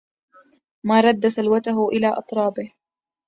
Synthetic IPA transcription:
maːɾˤɑd̪ːasalwat̪aɦʊʔɪlaːʔɑt̪ˤɾˤɑːbɪh

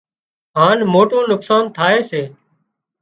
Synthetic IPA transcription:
ɦaːnmoːʈoːnʊksaːnt̪ʰaːeːseː

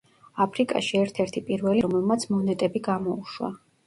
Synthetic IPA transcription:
apʰɾikʼa̰ʃiɛɾt̪ʰɛɾt̪ʰipʼiɾvɛliɔmɛlˠmat̪sʰmɔnɛt̪ʼɛbiɡamɔuʃwa̰

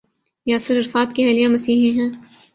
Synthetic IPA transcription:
jaːsɪɾɐɾfaːt̪keɦɛːlijãmɐsiːɦẽɦɛ̃ː

